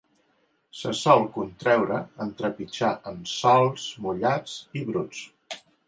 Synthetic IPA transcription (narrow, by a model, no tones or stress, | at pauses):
səsɔlˠkunt̪ɾɛwɾəənt̪ɾəpit͡ʃaʔəmsɔlˠsmuʎat͡siβɾut͡s